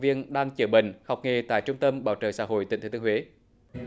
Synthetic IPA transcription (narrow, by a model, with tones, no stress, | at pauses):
vi˧ənɗaː˧ŋt͡ɕəː˧˩ɓḭ̈˧˨ŋ̟hɔ˨˩wk͡p̚ŋe˨˩t̪a̰ː˧˨jt͡ɕʊ˧ŋ͡mt̪ə˧mɓaː˧˩wt͡ɕə̰ː˧˩sa̰ː˧˥ɦo̰˧˨jt̪i˨˩ŋt̪ʰːt̪ːhwe˨˦